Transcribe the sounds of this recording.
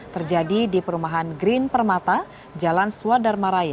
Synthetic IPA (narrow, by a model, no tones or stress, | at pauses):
t̪ərd͡ʒadidipəɾumaɦanɡɾinpərmat̪a | d͡ʒalansuadarmaɾaja